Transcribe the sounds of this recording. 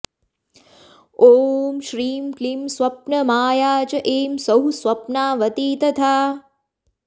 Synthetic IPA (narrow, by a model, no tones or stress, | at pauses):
oːmʃɾiːmklimswɐpnɐmaːjaːt͡ʃɐʔeːmsɐɦuswɐpnaːʋɐt̪iːt̪ɐt̪ʰaː